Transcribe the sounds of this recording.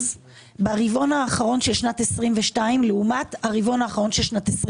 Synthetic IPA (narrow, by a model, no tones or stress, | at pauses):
z | baʁivo̞naːχaʁo̞nʃelʃnatesʁimveʃtaimleumataʁivo̞naːχaʁo̞nʃelʃnates